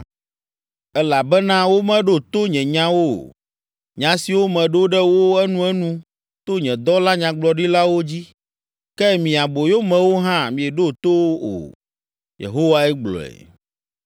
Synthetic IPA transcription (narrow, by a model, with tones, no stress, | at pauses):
ɛ˦la˨bɛ˦nã˦wo˦mɛ̃˦ɖo˦t̪o˦ɲɛ̃˨ɲã˦wo˦˨ | ɲã˨si˨wo˦mɛ̃˨ɖo˦ɖɛ˦wo˦ɛ˦nũ˦ɛ˦nũ˦ | t̪o˦ɲɛ̃˨d̪ɔ˦la˦ɲã˨ɡ͡blɔ˨ɖi˦la˦wo˦d͡ʑi˦ | kɛ˦mĩ˨a˨bo˨jo˦mɛ̃˨wo˦ɦã˦mĩ˨ɛ˨ɖo˦˨t̪o˦wo˦o̰˨ | jḛ˨ɦo˦wa˦ɛ˦ɡ͡blɔ̰˨ɛ̰˨